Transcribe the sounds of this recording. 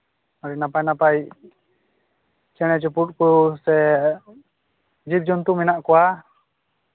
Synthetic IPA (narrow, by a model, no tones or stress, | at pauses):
aɾɛnapajnapaj | t͡ʃɛɽ̃ɛt͡ʃupuʈ̚kusɛ | d͡ʒip̚d͡ʒɔnt̪umɛnaʔkɔwa